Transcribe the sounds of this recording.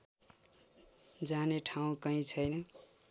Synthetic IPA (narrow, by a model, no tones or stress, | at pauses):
d͡zaneʈʰawũkʌĩt͡sʰʌjnʌ